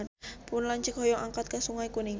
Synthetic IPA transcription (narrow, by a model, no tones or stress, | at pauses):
npʊnlaɲt͡ʃəkɦɔjɔʔaŋkat̪̚kasuŋajkuniŋ